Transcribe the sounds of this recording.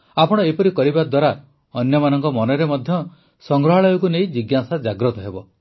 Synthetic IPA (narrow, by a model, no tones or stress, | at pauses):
apɔɽ̃ɔepɔɾikɔɾibad̪waɾa | ɔnjɔmanɔŋkɔmɔnɔɾemɔd̪ʱjɔ | sɔŋɡɾɔɦaɭɔjɔkunejd͡ʒiɡjasad͡ʒaɡɾɔt̪ɔɦebɔ